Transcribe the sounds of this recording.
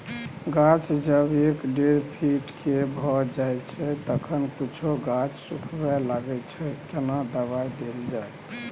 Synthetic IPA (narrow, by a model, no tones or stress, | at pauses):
ɡat͡ʃd͡ʒəbekɖeɾpʰiʈkebʱɔd͡ʒajt͡ʃʰɛt̪əkʰənkit͡ʃʰoɡat͡ʃsukʰbɛlaɡɛt͡ʃʰɛkenad̪əβajd̪eld͡ʒaj